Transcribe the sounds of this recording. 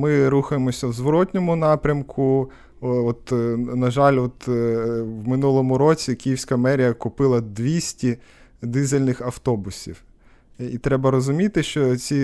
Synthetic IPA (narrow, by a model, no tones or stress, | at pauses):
mɪɾuxɐjemɔsʲɐwzʋɔɾɔt̪ʲnʲɔmʊnɑpɾʲɐmkʰʊ | ɔt̪nɐʒɑlʲɔt̪ | wmɪnulˠɔmʊɾɔt͡sʲikʲijiwsʲkɐmɛɾʲijɐkʊpɪlˠɐd̪ʋʲisʲtʲi | d̪ɪzelʲnɪxɐwt̪ɔbʊsʲḭw | it̪ɾɛbɐɾɔzʊmʲit̪ɪʃt͡ʃɔt͡s̪ʲi